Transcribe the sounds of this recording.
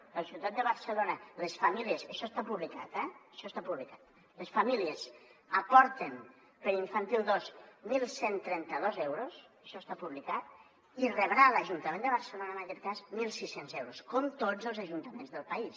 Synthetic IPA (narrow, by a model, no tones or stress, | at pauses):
əlˠsit̪at̪̚d̪əβəɾsəlonələsfamiliəzəʃɔst̪apuβlikat̪ɛəʃɔst̪apuβlikat̪̚ | ləsfamiliəzəpɔɾt̪ən | pəɾiɱfant̪ilˠd̪osmilˠsent̪ɾɛnt̪əðozɛwɾos | əʃɔst̪apuβlikat̪̚ | irəβɾaləʒunt̪əmẽnd̪əβəɾsəlonənəkɛt̪̚kazmilˠsisenzɛwɾoskomt̪od͡zəlˠzəʒunt̪əmẽnzðəlˠpəis